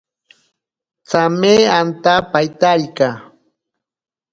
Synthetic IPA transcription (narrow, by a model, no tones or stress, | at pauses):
t͡sameant̪apajt̪aʎka